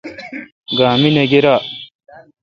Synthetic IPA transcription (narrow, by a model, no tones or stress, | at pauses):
ɡaːmineɡeɾaː